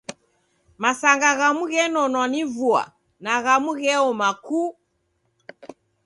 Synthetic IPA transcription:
masaŋɡaɣamuɣɛnɔnwanivua̰ | naɣamuɣɛɔmaku

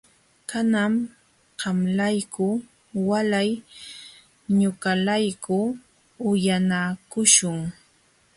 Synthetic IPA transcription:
kanam | ɢɑmlajkʊ | walaj | ɲʊkalajkʊ | ʊjanakʊʃʊŋ

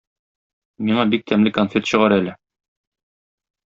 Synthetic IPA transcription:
miɴɑbik̚t̪ʰæmlɘkonfʲet̪ɕɤ̆ʁɑɾælɘ

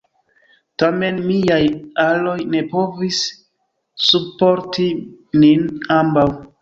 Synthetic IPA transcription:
tame̞nmiajalo̞jne̞po̞vis | supo̞ɾtininambaw

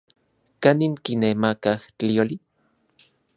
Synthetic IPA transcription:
kaniŋkinemakaht͡ɬioli

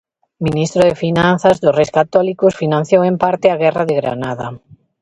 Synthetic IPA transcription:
minist̪ɾʊðefinãn̟θazðʊsrejskat̪ɔlikʊsfinãn̟θjowẽmpaɾt̪ɪaɣɛraðeɣɾa̰naða

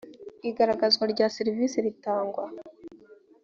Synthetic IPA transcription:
iɡaɾaɡazɡwaɾɟaːseɾivisiɾitaːŋɡwa

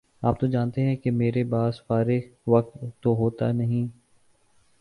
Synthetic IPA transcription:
aːp̚t̪od͡ʒaːnt̪eɦɛ̃kemeːɾebaːsfaːɾɪxʋɐk̚t̪ːoɦoːt̪a̰nɐɦĩː

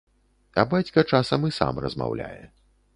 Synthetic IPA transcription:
ɐbat͡sʲkɐt͡ʂasɐmɨsa̰mrɐzma̰wlʲa̰jɛ

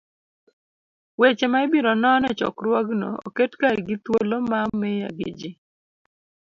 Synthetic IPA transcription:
wet͡ʃemaibiɾɔnɔnɛt͡ʃɔ̰krwaɡno̰o̰ketkaɾɡɪt̪wolomamːɛja̰ɡɪ̰d͡ʒɪ

